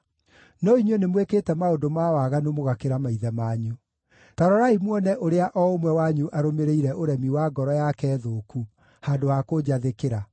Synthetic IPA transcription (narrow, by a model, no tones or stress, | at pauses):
nɔiɲwɛnemweketɛmaodomawaɣanomoɣakeɾamaiðɛmaːɲu | taɾɔɾaimwɔnɛʔoɾeaʔɔomwɛwaɲuʔaɾomeɾeiɾɛʔoɾɛmiwaɡɔɾɔjakɛːðoːku | haːndowakod͡ʑaðekeɾa